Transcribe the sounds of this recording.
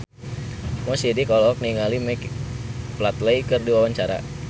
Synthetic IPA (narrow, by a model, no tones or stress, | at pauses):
mɔsidikɔlɔk̚niŋalimɛkplat̪ləikərdiwawaɲt͡ʃaɾa̰